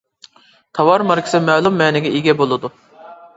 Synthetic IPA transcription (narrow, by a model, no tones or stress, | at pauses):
t̪ʰɑwɑɾmɑɾkʲʰɪ̥sɨmɛlˠumːɛːnɪɡʲɛʔiɡʲɛbolˠɨd̪u